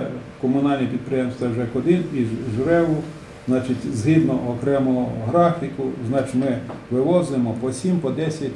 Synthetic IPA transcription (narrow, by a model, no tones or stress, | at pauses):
kɔmʊnɑlʲnʲipʲid̪̚pɾɪjɛmst̪ʋɐwʒɛkɔd̪ɪniʒɾɛʋʊ | znɑt͡ʃɪtʲzɦid̪nɔʔɔkɾɛmʊɦɾɑxt̪ɪkʊznɑt͡ʃmɪʋɪʋɔzʊjemɔpɔsʲimpɔd̪ɛsʲjɐtʲ